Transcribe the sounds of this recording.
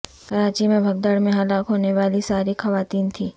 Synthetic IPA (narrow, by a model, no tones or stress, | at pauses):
kɐɾaːt͡ʃimẽbʱɐɡ̚d̪əɽmẽɦɐlaːkɦoːneʋaːlisaːɾixɐʋaːt̪iːnt̪ʰiː